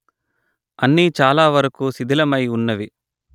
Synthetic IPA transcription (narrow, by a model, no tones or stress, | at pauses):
ɐnːiːt͡ʃaːlaːʋɐɾɐkusid̪ʱilɐmɐjunːɐʋi